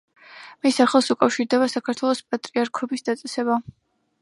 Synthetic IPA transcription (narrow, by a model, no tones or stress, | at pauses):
misaχlˠasukʼafʃiɾd̪ɛβasakʰaɾt̪ʰwɛlˠɔspʼat̪ʼɾiaɾkʰɔbisd̪at̪sʼɛsɛba